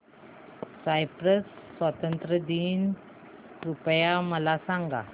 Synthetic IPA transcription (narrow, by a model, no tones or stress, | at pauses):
sajpɾəsːʋat̪ənt̪ɾəd̪iːn | ɾupəjaməlasaŋɡa̰